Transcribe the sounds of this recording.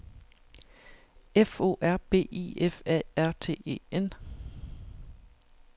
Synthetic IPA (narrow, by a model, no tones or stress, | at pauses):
efo̝̰ːʔæɐ̰b̥e̝̰ːḭːefɛæɐ̰t͡sʰe̝̰ːe̝̰ːen